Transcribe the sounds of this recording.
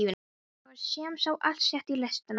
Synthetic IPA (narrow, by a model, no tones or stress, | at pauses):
vʏ | vaɾsjɛːmsawʔal̥t̪sjɛht̪ilɛst̪ɪn